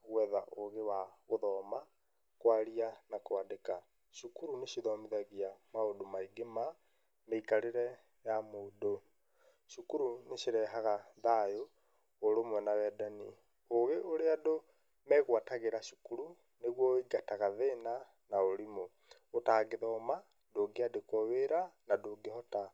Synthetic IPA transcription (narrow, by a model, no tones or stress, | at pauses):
ɣwɛðaʔoɣewaɣoðɔːma | kwaɾianakwadeka | ʃukuɾuneʃiðɔmiðaɣiamaodomaiɡema | meikaɾeɾɛ | jamoːdo | ʃukuɾuneʃeɾɛɦaɣaðajoː | ɾomwɛnawɛdanḭ | oɣeʔoɾeado | mɛːɣwataɣeɾaʃu̥kuɾu | neɣwɔiɡataɣaðena | naoɾimo | otaːɡeðɔma | doɡeadekɔweɾanadoɡehɔta